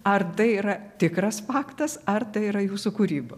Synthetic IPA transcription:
ɐrt̪ɐɪiːɾɐt̪ʲɪkɾɐsfɑːkt̪ɐsɐrt̪ɐɪiːɾɐjuːsukuːɾʲiːbɐ

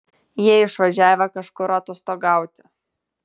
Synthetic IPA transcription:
jiɛɪʃʋɐʒʲæːʋʲɛkɐʃkʊɾɑt̪oːst̪oːɡɑˑʊt̪ʲɪ̥

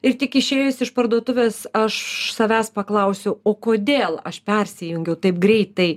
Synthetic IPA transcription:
ɪɾt̪ʲɪkɪʃʲeːjʊsɪʃpɐrd̪uɔt̪ʊʋʲeːsɐʃsɐʋʲæːspɐklˠɐʊsʲɛʊoːkoːd̪ʲeːlˠɐ̰ʃpʲɛrʲsʲɪjʊŋʲɡʲɛʊt̪ɐɪpɡɾʲɛɪt̪ɐɪ

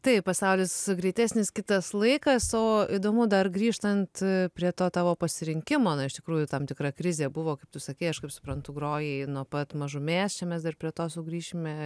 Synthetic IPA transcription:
t̪ɐɪppɐsɐʊlʲɪsɡɾʲɛɪt̪ʲæsʲnʲɪskʲɪt̪ɐslˠɐɪkɐsoːid̪oːmʊd̪ɐrɡɾʲiːʃt̪ɐnt̪pʲɾʲiɛt̪oːt̪ɑːʋoːpɐsʲɪɾʲɪŋʲkʲɪmoːnɐɪʃʲt̪ʲɪkɾuːjʊt̪ɐmt̪ʲɪkɾɐkɾʲɪzʲeːbʊʋoːkɐɪpt̪ʊsɐkʲɛɪɐʃkɐɪpsʊ̥pɾɐnt̪ʊɡɾoːjɛɪnuɔpɐt̪mɐʒʊmʲeːst͡ʃʲɛmʲɛsd̪ɐrpʲɾʲiɛt̪oːsʊɡɾʲiːʃʲɪmʲɛ

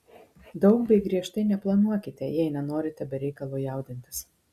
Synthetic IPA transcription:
d̪ɒʊkbʲɛɪɡɾʲiɛʃt̪ɐɪnʲɛplˠɐnuɔkʲɪt̪ʲɛjɛɪnʲɛnoːɾʲɪt̪ʲɛbʲɛɾʲɛɪkɐlˠuːjɑˑʊd̪ʲɪnʲt̪ʲɪs

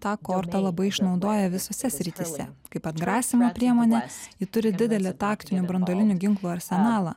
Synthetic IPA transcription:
t̪ɑːkoːɾt̪ɐlˠɐbɐɪɪʃnɒʊd̪oːjɛʋʲɪsoːsʲɛsʲɾʲɪt̪ʲɪsʲɛkɐɪpɐd̪ɡɾɑːsʲɪmoːpʲɾʲiɛmoːnʲɛjɪt̪ʊɾʲɪd̪ʲɪd̪ʲɛlʲeːt̪ɑːkt̪ʲɪnʲʊbɾɐnd̪oːlʲɪnʲʊɡʲɪŋklˠuːɐɾʲsʲɛnɑːlˠɑ̰ː

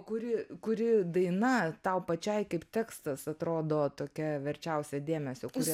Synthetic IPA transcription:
kʊɾʲɪkʊɾʲɪd̪ɐɪnɐt̪ɐʊpɐt͡ʃʲɛɪkɐɪpt̪ʲɛːkst̪ɐsɐt̪ɾoːd̪oːt̪oːkʲɛʋʲɛɾʲt͡ʃʲɛʊsʲɛd̪ʲeːmʲɛsʲoːkʊɪ

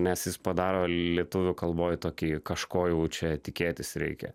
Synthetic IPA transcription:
nʲɛsjɪspɐd̪ɑːɾoːlʲiɛt̪ʊʋʲʊkɐlˠboːjt̪oːkʲiːkɐʃkoːjɛʊt͡ʃʲɛt̪ʲɪkʲeːt̪ʲɪsɾʲɛ̰ɪkʲɛ̰

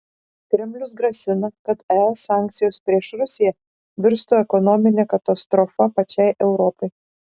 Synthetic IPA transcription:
kɾʲɛmʲlʲʊs̬ɡɾɐsʲɪnɐkɐt̪ɛɛsːɑːˑŋʲkt̪sʲɪjoːspʲɾʲiɛʃɾʊsʲɪjɛ | ʋʲɪɾst̪oːɛkɔnɔmʲɪnʲekɐt̪ɐst̪ɾɔfɐpɐt͡ʃʲɛɪʔɛʊɾɔpɐɪ

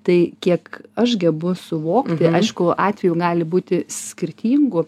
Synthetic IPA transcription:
t̪ɐɪkʲiɛkɐʃɡʲɛbʊsʊʋoːkt̪ʲɪʔɐɪʃkʊɑːt̪ʲʋʲɛjuɡɑːlʲɪbuːt̪ʲɪsʲkʲɪrʲt̪ʲiːŋɡʊ

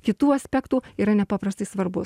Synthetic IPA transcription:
kʲɪt̪uːɐsʲpʲɛkt̪uːiːɾɐnʲɛpɑːpɾɐst̪ɐɪsʋɐɾbʊs

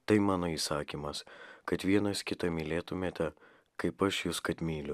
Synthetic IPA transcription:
t̪ɐɪmɑːnoːiːsɑːkʲiːmɐskɐt̪ʋʲiɛnɐskʲɪt̪ɐmʲiːlʲeːt̪ʊmʲeːt̪ʲɛ | kɐɪpɐʃjuːskɐt̪ʲmʲiːlʲʊ

